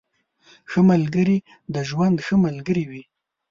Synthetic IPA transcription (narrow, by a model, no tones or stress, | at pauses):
xəmalɡəɾi | d̪əʒwand̪xəmalɡəɾiwi